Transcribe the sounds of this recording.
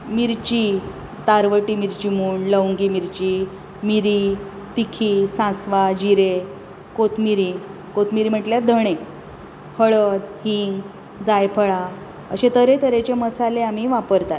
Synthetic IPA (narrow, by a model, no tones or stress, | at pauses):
miɾt͡ɕi | t̪aɾʋəʈimiɾt͡ɕimuːɳləwŋɡimiɾt͡ɕi | miɾi | t̪ikʰisãsʋad͡ʑiɾe | kot̪ʰmiɾi | kot̪ʰmiɾim̤əʈljad̪ʱəɽ̃e | həɭəd̪hiŋɡ | d͡zajpʰəɭa | ə̰ɕet̪əɾet̪əɾet͡ɕeməsaleam̤iʋapəɾt̪at̪̚